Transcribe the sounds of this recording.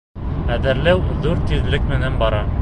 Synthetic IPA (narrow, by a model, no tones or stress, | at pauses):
æðɘ̆ɾlæwðuɾt̪iðlɘkmɘ̆nænbɒɾɑ